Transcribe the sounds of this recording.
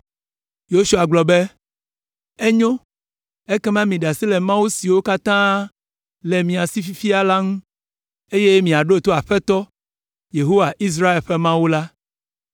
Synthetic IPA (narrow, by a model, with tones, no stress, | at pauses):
jo˦ʃu˦˨a˨ɡ͡blɔ˨be˦ | e˦ɲõ˦ | e˦kɛ˦mã˦mĩ˨ɖa˨si˦lɛ˨mã˦wu˦si˨wo˦ka˦t̪ã˦ | le˨mĩ˨a˨si˦fi˦fi˦a˦la˦ŋũ˦ | e˦je˦mĩ˨a˨ɖo˦˨t̪o˦a˨ɸɛ˦t̪ɔ˦ | je˨ɦo˦wa˨ʔi˦s̬ɾa˦e˨lɸɛ˦mã˦wu˦la˦